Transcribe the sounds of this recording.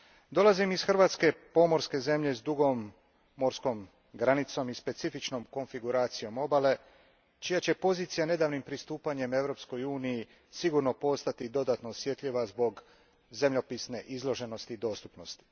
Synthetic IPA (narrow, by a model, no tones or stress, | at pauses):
d̪o̞lˠazimisxr̩ʋaːt̪ske̞po̞mo̞ɾske̞ze̞mʎe̞zd̪uɡo̞mː | o̞ɾsko̞m | ɡɾanit̪so̞mispe̞t̪sifit͡ʃno̞mko̞ɱfiɡuɾaːt̪sijo̞mo̞bale̞ | t͡ʃijat͡ɕe̞po̞ziːt̪sijane̞d̪aʋnimpɾist̪uːpaɲe̞me̞ʋɾo̞psko̞juːniji | siɡuɾno̞po̞st̪at̪id̪o̞d̪at̪no̞ːsje̞t̪ʎiʋazbo̞ɡ | ze̞mʎopisne̞ʔizlˠo̞ʒe̞no̞st̪iːd̪o̞ːst̪u̥pno̞st̪i̥